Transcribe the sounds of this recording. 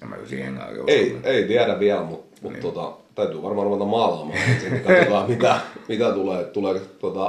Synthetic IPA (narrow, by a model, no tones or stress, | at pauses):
emːæ̰ksḭːhḛŋɑ̰ko̰eieit̪iædæʋʋiælmut̪mut̪t̪ot̪ɑ̰t̪æyt̪yːʋɑrmɑruʋet̪ɑmmɑːlɑmɑ̰ːsikːæt̪ulɑmit̪æmit̪æt̪uleːtt̪ulet̪uot̪ɑ